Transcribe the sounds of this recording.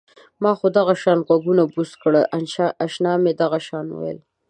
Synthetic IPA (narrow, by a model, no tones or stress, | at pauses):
mɑxod̪aɣaʃɑnɣwaɡunabuskɽəʔaʃnɑmed̪aɣaʃɑnṵwḛl